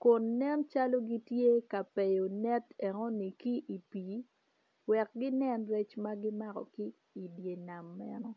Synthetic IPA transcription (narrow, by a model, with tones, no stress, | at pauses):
kʊ˨nːɛ˦nt͡ʃa˦lo˦ɡi˦tje˦ka˨pɛ˨jo˨nɛ˦tɛ˨ŋɔ˦ni˨ki˦ʔi˨piː˨ | wɛ˨k̚ɡɪ˦nɛ˦nrɛ˦t͡ʃma˦ɡɪ˦ma˦kɔ̰˨ki˦ | i˨dje˨na˨mːɛ˦nɔ˦